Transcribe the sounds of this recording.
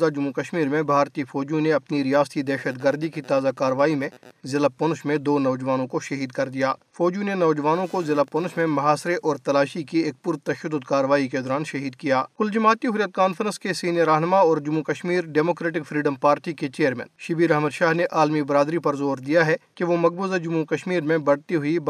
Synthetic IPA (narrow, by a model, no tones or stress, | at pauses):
zad͡ʒʊmːukɐʃmiːɾmẽbʱaːɾt̪ifʰɔːd͡ʒjũneɐpniɾijaːst̪id̪ɛːʃəd̪ɡəɾd̪ikit̪aːzakaːɾəʋaːimẽzɪlapʊnʊʃmẽd̪oːnɔːd͡ʒʋaːnõkoʃɐɦiːd̪kɐɾd̪ijaːfɔːd͡ʒũnenɔːd͡ʒʋaːnõkozɪlapʊnʊʃmẽmɐɦaːsɾeʔɔːɾt̪ɐlaːʃikieːk̚pʊɾt̪ɐʃəd̪ːʊd̪kaːɾəʋaːiked̪ɔːɾaːnʃɐɦiːd̪̚kijaːkʊld͡ʒɐmaːt̪iɦʊɾjət̪̚kaːnfəɾə̃nskesiːnijəɾːaːɦnəmaɔːɾd͡ʒʊmːukɐʃmiːɾɖɛːmoːkɾeːʈɪkfʰɾiːɖəmpaːɾʈiket͡ʃeːəɾmɛ̰̃ːnʃɪbiːɾɐɦməd̪ʃaːɦneʔaːlmibɾaːd̪ɾipɐɾzoːɾd̪ijaɦɛkeʋomɐɡ̚buːzad͡ʒʊmːukɐʃmiːɾmẽbɐɽt̪iɦʊib